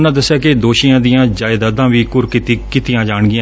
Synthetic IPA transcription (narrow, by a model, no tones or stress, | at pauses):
nãːd̪əsːejaːked̪oːʃiãːd̪ɪjãːd͡ʒaːɪd̪aːd̪ãːʋiːkʊɾkɪt̪ikɪt̪ɪjãːd͡ʒaːɳɡɪã